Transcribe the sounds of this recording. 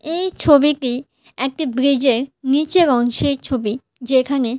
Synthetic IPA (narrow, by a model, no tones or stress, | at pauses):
ejt͡ɕʰobiʈi | ɛk̚ʈibɾid͡ʑeɾnit͡ɕebɔŋʃet͡ɕʰobi | d͡ʑekʰane